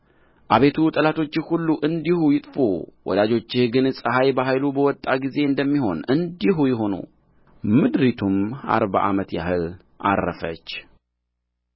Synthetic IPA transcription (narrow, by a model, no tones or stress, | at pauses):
ʔaβe̞t̪ʰut̪ʼəlat̪ʰo̞t͡ʃːɪhulːuʔɨnd̪ihujɪt̪ʼfṵwɔ̰d̪ad͡ʒo̞t͡ʃːɪhɡɨnsʼəɦajbaɦajlubəwɔt̪ʼːaɡize̞ɨnd̪əmːiɦo̞nɨnd̪iɦujɪɦo̞nṵ | mɨd̪ɾit̪ʰuma̰ɾba̰ʔamət̪ja̰hɨl | ʔa̰rːəfə̰t͡ʃː